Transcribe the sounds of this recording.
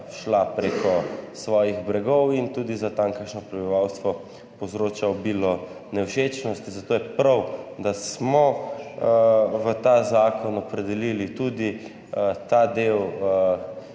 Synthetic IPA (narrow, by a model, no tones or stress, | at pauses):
ʃlapɾeːkʰɔsʋɔːjiɣbɾɛɡɔwint̪uːd̪izat̪ãŋkəkʃnɔpɾɛbiʋawst̪ʋɔ | pozɾoːt͡ʃaɔbiːlɔ | nɛwʃet͡ʃnɔst̪izat̪oːjɛpɾawd̪asmɔ | ʋət̪aːzaːkʰɔnɔpɾɛd̪ɛliːlit̪uːd̪i | t̪ad̪ew